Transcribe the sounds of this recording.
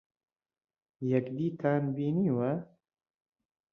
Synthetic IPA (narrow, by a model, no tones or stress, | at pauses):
jɛkd̪iːt̪ʰaːnbiːniːwɐ